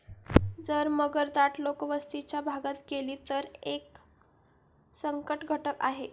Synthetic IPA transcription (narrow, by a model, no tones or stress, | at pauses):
d͡zəɾməɡəɾd̪aʈlokəʋəst̪it͡ɕjabʱaɡat̪keliːt̪əɾek | səŋkəʈɡʱəʈəkaɦe